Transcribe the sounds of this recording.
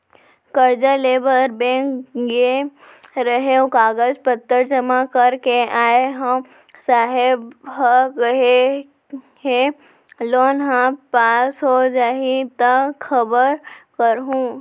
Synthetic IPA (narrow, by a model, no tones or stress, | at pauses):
kəɾd͡ʒaleːbəɾbɛ̃ːkje | ɾəɦeũkaːɡəd͡ʒpət̪ːəɾd͡ʒəmakəɾkeaːeɦəm | saːɦɪbɦəkɦe | ɦe | loːnɦãpaːsɦod͡ʒaːɦit̪əxʰəbəɾkəɾɦũː